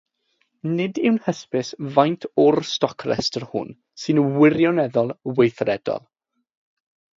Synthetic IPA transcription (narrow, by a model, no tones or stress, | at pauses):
nɪdɪwnhəspɪsvajntʰɔrstɔkʰrɛ̰stərhʊ̰n | sɨnəwɪɾjɔnɛðɔlˠwejθrɛd̥ɔ̰lˠ